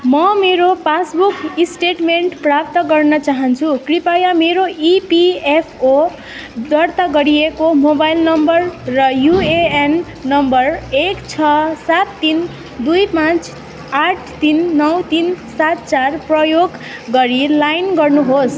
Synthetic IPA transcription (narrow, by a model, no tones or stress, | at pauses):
mʌmeɾopasbukisʈeʈmeɳʈprap̚t̪ʌɡʌrnʌt͡saɦʌnt͡sʰukripajameɾoipiepʰo | d̪ʌrt̪aɡʌɾijekomobajlnʌmbʌrːʌjueenː | ʌmbʌrekt͡sʰʌsat̪ːin | d̪ujpãt͡s | aʈʰt̪inːʌwt̪insat̪t͡sarprʌjoɡː | ʌɾilajnɡʌrnuɦos